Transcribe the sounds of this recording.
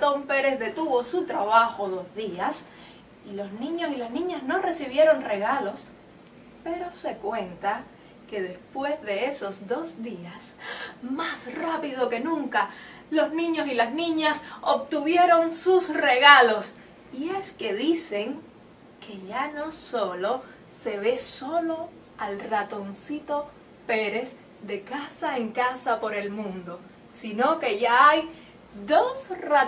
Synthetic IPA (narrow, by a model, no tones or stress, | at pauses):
t̪o̞mpe̞ɾe̞zðe̞t̪uβo̞sut̪ɾaβaxo̞ðo̞zðias | ilo̞snĩɲo̞silasnĩɲasno̞re̞siβ̞je̞ɾo̞ŋre̞ɣalo̞s | pe̞ɾo̞se̞kwe̞nt̪a | ke̞ðe̞spwe̞zðe̞eso̞zðo̞sd̪iasmasrapiðo̞ke̞nũŋka | lo̞snĩɲo̞silasnĩɲasob̚t̪uβje̞ɾo̞ŋsusre̞ɣalo̞s | ie̞ske̞ðise̞ŋ | kʰe̞ʝano̞so̞lo̞ | se̞βe̞so̞lo̞ | alrat̪o̞nsit̪o̞ | pe̞ɾe̞s | d̪e̞kasae̞ŋkasapo̞ɾe̞lmũnd̪o̞ | sino̞ke̞ʝaaj | ðo̞sra